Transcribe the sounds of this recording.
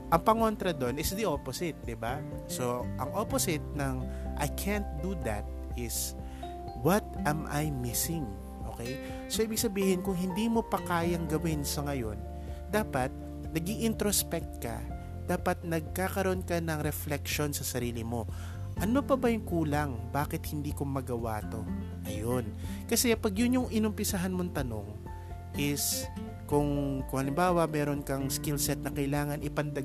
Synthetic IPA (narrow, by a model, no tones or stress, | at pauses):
ʔɐŋpɐŋo̞nt̪ɾɐd̪o̞nɪsd̪iʔoposɪt̪̚d̪ɪbaso̞ʔɐŋʔoposɪt̪̚nɐŋʔa̰jkʰænt̪̚d̪ud̪ɐ̰t̪̚ʔɪs | wɐt̪̚ʔɛmʔajmɪsɪŋ | ʔo̞̰kɛj | soʔiːbɪɡ̚sɐbiːhɪnkʊŋɦɪnd̪iːmo̞pɐkaːjɐŋɡɐwɪnsɐŋɐjo̞̰n | d̪aːpɐt̪̚ | nɐɡiʔɪnt̪ɾospɛk̚t̪̚kɐ̰ | d̪̥aːpɐt̪̚nɐɡ̚kaːkɐɾoʔonkɐnɐŋɾɛflɛkʃo̞nsɐsɐɾiːlɪmo̞ | ʔɐno̞pɐbɐjʊŋkuːlɐŋbaːkɪt̪̚hɪnd̪iːkomɐɡɐwa̰ːt̪o̞ | ʔɐjonkɐsɛpɐɡjʊnjʊŋɪnʊmpɪsaɦanmont̪ɐno̞̰ŋ | ʔɪs | kʊŋkʊŋhɐlɪmbaːwɐmɛːɾo̞nkɐŋskɪlsɛt̪̚nɐkɐʔɪlaːŋɐnʔɪpɐnd̪ɐɡ